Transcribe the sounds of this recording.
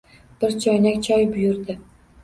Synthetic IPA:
b̥ɪɾt͡ʃʰɒjnakʲt͡ʃʰɒjbʊjʊɾd̪ɪ

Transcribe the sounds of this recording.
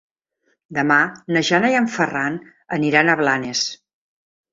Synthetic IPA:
d̪əmanəʒanəjəɱfəran | əniɾanəβlanes

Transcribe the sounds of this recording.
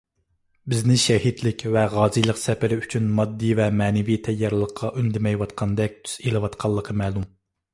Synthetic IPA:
bɪznɪʃɛhit̪lɪkʲvɛʁɑːzijlˠəqsɛpɪɾɪyt͡ʃʰynmɑd̪ːivɛmɛːnɪvit̪ʰɛjːɑɾlˠəqʰːɑʔynd̪ɪmɛjwɑt̪qʰɑnd̪ɛk̚ʲt̪ʰy̥z̥elɨwɑt̪qʰɑlˠːəqʰəmɛːlˠum

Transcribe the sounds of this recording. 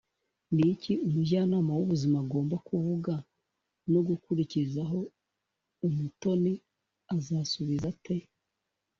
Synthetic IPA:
niciumuɟaːnaːmawuβuzimaɡo̞ːmbakuvuɡa | noɡukuɾicizaɦo̞ː | muto̞ni | azaːsuβizate̞

